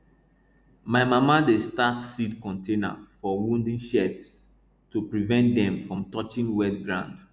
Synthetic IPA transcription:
maɪmamadestaksitkɔ̃ntʰena̰fɔwũndĩnʃɛfs | tupɹivɛ̃ntdɛ̃mfɹɔ̃mtɔt͡ʃĩnwɛdɡɹã̰ʊ̃nd

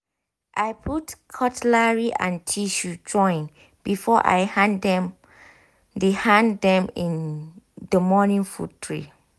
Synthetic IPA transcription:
ʔajpʰutkʰɔtlaɹiʔã̰ntʰiʃud͡ʒɔ̃ɪ̃n | b̥ifɔʔa̰jndɛm | dehãndɛ̃mĩndəmɔnĩŋfṵtʰɹḭ

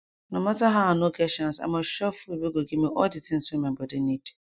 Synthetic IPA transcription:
nʊ̃mãtaɦaanõɡɛʃãnsa̰mãɕɔfubiɡoɡimĩʔɔdɪtʰɪ̃n̩samɛ̃mbɔdɪnĩd

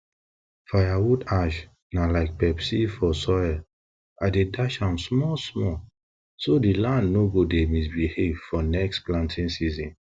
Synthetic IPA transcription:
fajawudaʃ | nalaɪk̚pɛpsifɔsɔɛl | adedaʃãmsmɔsmɔ | sodilãndnoɡodemis̬bihevfɔnɛksplãntʰĩnsizĩn

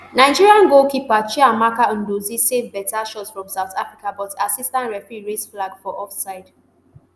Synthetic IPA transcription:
naɪd͡ʒiɹiãnɡokipat͡ʃiamakaə̃ndozisevbɛtaʃɔtsfɹɔ̃msaʊtʰafɹikabɔtasistãntɹɛfiɹesflaɡfɔʔɔfsaɪd

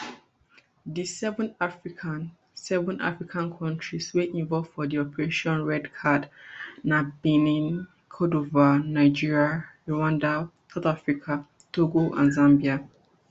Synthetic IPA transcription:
disɛvɔ̃nafɹikʰan | sɛvɔ̃nʔa̰fɹikʰãnkʰɔ̃ntʰɹisweʔĩɱvɔlv̥fɔdiɔpɛɹeʃɔ̃nɹɛdkʰadnabĩnĩn | kʰɔdovanaɪd͡ʒiɹiaɹoãndasaθafɹikʰa | tʰoɡoʔã̰nzãmbia

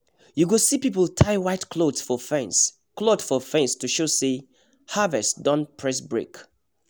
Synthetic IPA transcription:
juɡosipipəltʰaɪwaɪtkʰlodsfɔfɛ̃ns | klodfɔfɛ̃nstuʃose | havɛstdɔ̃npʰɹɛsbɹek

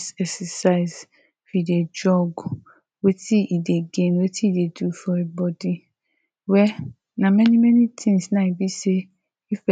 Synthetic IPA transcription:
sɛksɛsaɪz | fiided͡ʒɔɡ | wetʰiideɡenwetiidedufɔebɔdi | wɛ | nãmɛnĩmɛnĩtʰĩŋsnãibise | ifɛ

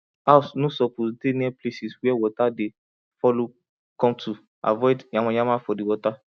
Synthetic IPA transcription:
asnosɔposdeniɛplesiswɛwɔtade | fɔlo | kɔ̃mtʰu | a̰vɔɪdjãmɔ̃jãmafɔdiwɔta

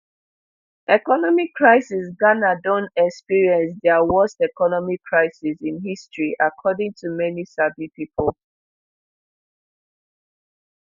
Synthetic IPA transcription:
ʔɛkɔnɔmikʰːɹaɪsis̬ɡanadɔ̃nɛkspiɹiɛ̃ns̬dɛawɔstɛkɔnɔmikʰɹaɪsisĩnɦistɹiʔakʰɔdɪ̃ŋtumɛnisabipipəl

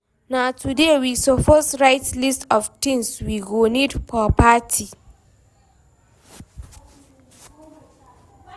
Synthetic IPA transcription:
natudewisɔfɔsɾajtlistɔftɪŋswiɡoːnidpɔpaːtʰi

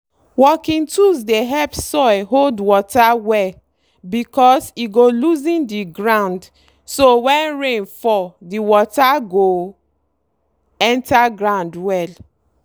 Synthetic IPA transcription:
wɔkĩntusdeɦɛlpsɔɪɦoldwɔtawɛ | bikɔsiɡoluzĩndiɡɹãnd | sowɛ̃nɹẽnfɔdiwɔtaɡo | ɛ̃ntaɡɹãʊ̃ndwɛl

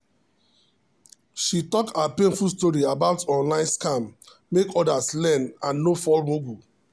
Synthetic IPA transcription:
ʃitɔktapẽnfulstɔɹiabaʊtɔ̃nlãɪ̃nskãmː | ekɔdaslɛnãnːofɔlmoɡu

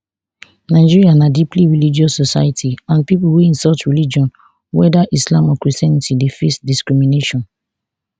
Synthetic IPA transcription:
naɪd͡ʒiɹianadipliɹilid͡ʒɔsːɔsajtʰiãnpipuweĩnsɔt͡ʃɹilid͡ʒɔ̃n | wɛ̰daʔislãmɔkɹistjanitidefesdiskɹimineʃɔ̃n

